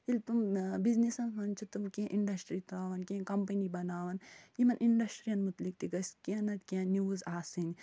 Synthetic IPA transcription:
ilpumbiznisɐnmɐnt͡ʃʰut̪umkẽʔiɳɖɐsʈɾit̪aːʋɐnkʲẽkɐmpɐnibɐnaːʋɐnjimɐnʔiɳɖɐsʈɾijɐnmut̪lik̚t̪iɡɐskiãnɐt̪kãniuzaːsin

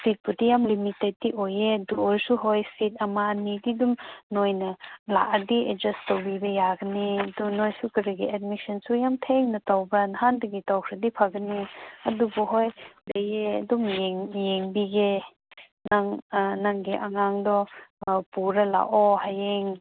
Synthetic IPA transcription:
sit̚pudijamlimitet̚ːiʔojeduɔɾsuɦojsit̚ɐmanididumnojnɐla̰ʔɐdied͡ʒɐstawbibɐjaɡɐniɐdunojsukɐɾiɡiɛd̚misɐnsujamtʰeŋnɐtawbɐnhandɐɡitawkʰɾɐdipʰaɡɐniɐdubuɦojbejeɐ̰dumjeŋjeŋbiɡe | naŋnaŋɡeʔɐŋaŋdɔpuɾɐla̰ʔɔhajeŋ

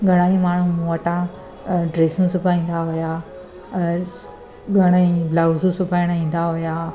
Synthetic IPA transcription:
ɡʱɐɽ̃aːĩmaːɳ̤ũməʈã | ɖɾeːsũsʊpaĩːn̆d̪aɦʊja | ɡʱɐɽ̃aĩblaːzũsʊpaːɪɽ̃ĩːn̆d̪aɦʊja

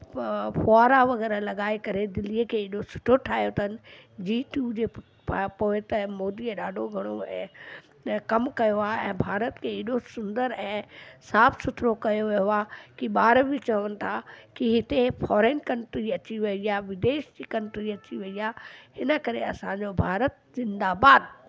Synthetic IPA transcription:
foaːɾaʋɐɣɛːɾəlɐɠaːekɐɾed̪ɪliəkʰeːɪɗosʊ̥ʈʰoʈʰaːijot̪ʰɐnɪ̆d͡ʑiːʈuːd͡ʑeː | poːɪt̪ɐmoːd̪iəɗaːɖʱoɡʱɐɽ̃oɛ̰̃ː | kɐmkɐjoaːɛ̃ːbʱaːɾət̪kʰeɪɗosʊ̃nd̪əɾɛ̃ːsaːpsʊt̪ʰɾokɐjoʋijoaːkiɓaːɾbit͡ɕɐʋənɪ̆t̪ʰakiɦɪt̪efɔːɾeːnkɐ̃ɳʈɾiɐt͡ɕiʋɐijaʋɪd̪eːʃd͡ʑiːkɐ̃ɳʈɾiɐt͡ɕiʋɐijaːɦɪnə̆kɐɾeɐsãɲd͡ʑobʱaːɾət̪̚zɪ̃nd̪aːbaːd̪

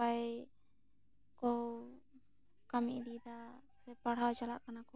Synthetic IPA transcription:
aj | kɔw | kamiʔd̪id̪a | sɛpaɽ̤ɦawt͡ʃala̰ʔkanakɔ

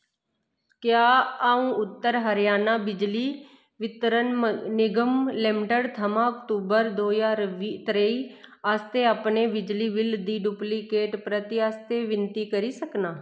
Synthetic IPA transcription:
kjaːaːũːʊt̪ːəɾɦəɾɪjaːnaːbɪd͡ʒliː | ʋɪt̪ɾənnɪɡəmlɪmɪʈəɽt̪ʰəmãːɔkʈuːbəɾd̪oːjaːɾʋit̪ɾəiːast̪eːapneːbɪd͡ʒliːʋɪld̪iːɖuːplikeːʈpɾət̪ɪaːst̪eːʋɪnt̪iːkəɾiːsəknaː

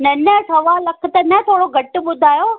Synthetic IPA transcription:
nɐnəsɐʋaːlɐk̆ʰt̪ɐnɐ̃t̪ʰoːɽoɡʱɐʈʊɓʊd̪ʱaːjoː

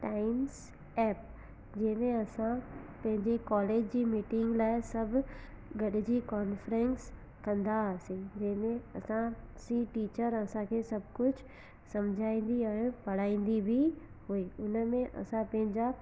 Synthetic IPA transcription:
ʈaːɪms | ɛːp̚ | d͡ʑemẽɐsã | pɐ̃ɦɪ̃ɲd͡ʑekɔːleːd͡ʑd͡ʑimiːʈɪ̃ŋɡlaːɪsɐb | ɡɐɽd͡ʑikɔːnfɾẽns | kɐ̃nd̪asĩd͡ʑemẽɐsã | sĩʈiːt͡ʃəɾɐsãkʰesɐb̚ʱkʊt͡ʃʰ | sɐmd͡ʒʱaːĩːn̆d̪iaːẽpɐɽ̤aːĩːn̆d̪ibʱi | huiːʊnmẽʔɐ̰sãpɐ̃ɦɪ̃d͡ʑa

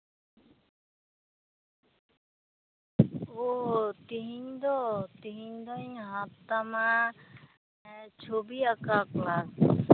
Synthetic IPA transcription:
oɦt̪iɦiɲd̪ɔt̪iɦiɲd̪ɔɲɦat̪ːama | t͡ʃʰobiakaklas

